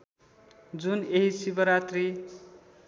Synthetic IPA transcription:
d͡zuneɦisibʌɾat̪ri

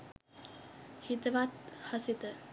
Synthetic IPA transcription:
hit̪əʋat̪̚hasit̪ə

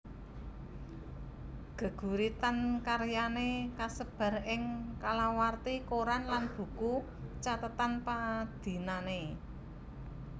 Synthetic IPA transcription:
ɡ̥ə̤ɡ̥ṳɾit̪ankaɾjanekasəb̥a̤rɪŋkalawart̪ikoɾanlanb̥ṳku | t͡ʃat̪ət̪anpad̪̥i̤nane

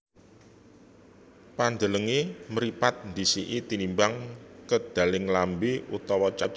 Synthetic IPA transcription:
pand̪ələŋeməɾipat̪̚nd̪isiʔit̪inimbaŋkəd̪̥a̤lɪŋlambeut̪ɔwɔt͡ʃa

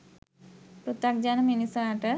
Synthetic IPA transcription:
pɾut̪ak̚d͡ʒanɐminisaːʈə

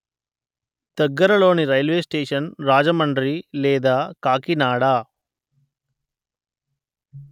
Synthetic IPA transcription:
d̪̥ɐɡːɐɾɐlo̞ːniɾɐjlʋeːsʈeːʂɐnɾaːd͡ʒɐmɐɳɖɾilɛːd̪aːkaːkinaːɽaː

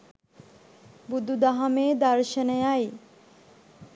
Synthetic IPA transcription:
bud̪ud̪aɦameːd̪aɾʃenejaj

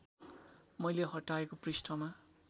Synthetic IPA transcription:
mʌjleɦʌʈːaekoprisʈʰʌma

